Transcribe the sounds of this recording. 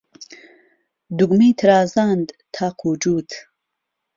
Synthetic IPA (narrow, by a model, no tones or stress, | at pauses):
d̪uɡmiːt̪ʰɾaːzand̪t̪ʰaːqʰuːd͡ʒuːt̪